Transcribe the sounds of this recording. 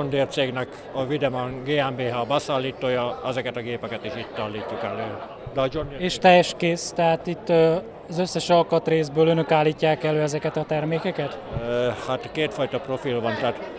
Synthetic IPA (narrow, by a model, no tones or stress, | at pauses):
ond̪eːrt̪seːɡnɛk | ɒvid̪ɛmoŋɡeːɛmbeːɦɒbɛsaːlːiːt̪oːjɒɛzɛkɛt̪ɒɡeːpɛkɛt̪iʃit̪ʲt̪ɒlːiːc̪ːukɛlːøː | d̪ɛɒd͡ʒond̪eeːʃt̪ɛjɛʃkeːst̪ɛɦaːt̪it̪ː | ɒzø̞sːɛʃɒlkɒt̪reːzbøːlønøkaːlːiːcːaːkɛlːøːɛzɛkɛt̪ɒt̪ɛrmeːkɛkɛt̪hat̪keːt̪fɒjt̪ɒpro̞filvɒnt̪ɛːt̪